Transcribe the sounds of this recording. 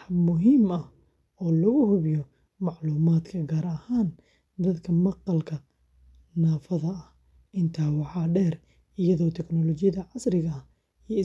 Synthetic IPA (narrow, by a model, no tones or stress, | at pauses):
ħmʊɦiːmɐh | ɔːlɐɣʊhʊβɪjɔ | mɑʕluːmaːd̪kʰɐɡaːɾɐhaːn | d̪ɐd̪kʰɐmɑqɑlkʰɐ | naːfɐðɐɐh | ʔɪnt̪ʰaːwɑʕɑːɖɛːr | ijɐðɔːt̪ʰɛknɔlɔt͡ʃɪjɐðɐʕɑsɾɪɣɐɐ | ijɪ